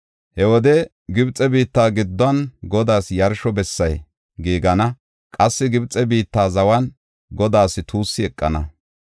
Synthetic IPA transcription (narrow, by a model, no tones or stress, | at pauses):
hɛwɔd̪ɛ | ɡɪbt͡sʼːɛbiːt̪ːaːɡɪd̪ːɔɐnɡɔd̪aːsjɐɾʃɔbɛsːɐj | ɡiːɡɐnɐ | kʼɐsːɪɡɪbt͡sʼːɛbiːt̪ːaːzɐwɐn | ɡɔd̪aːsɪt̪ʰuːsːɪɛkʼːɐ̰nɐ̰